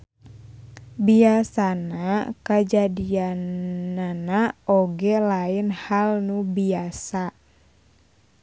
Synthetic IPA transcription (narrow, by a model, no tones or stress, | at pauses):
biasanakad͡ʒadianːanaɔɡɛlaɪnhalnubiasa